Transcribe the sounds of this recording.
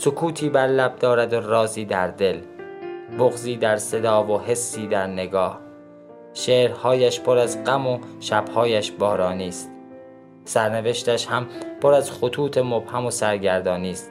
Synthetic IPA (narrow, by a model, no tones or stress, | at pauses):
sokʰuːt̪ʰiːbæɾlæb̚d̪ɒːɾæd̪oɾɒːziːd̪æɾd̪e̞l | boɣziːd̪æɾse̞d̪ɒːvohe̞sːiːd̪æɾne̞ɡɒːh | ʃeːɾhɒːjæʃpʰoɾæzɢæmoʃæb̥hɒːjæʃbɒːɾɒːniːst̪ | sæɾne̞ve̞ʃt̪æʃhæmpʰoɾæzxot̪ʰuːt̪ʰemob̥hæmosæɾɟæɾd̪ɒːniːst̪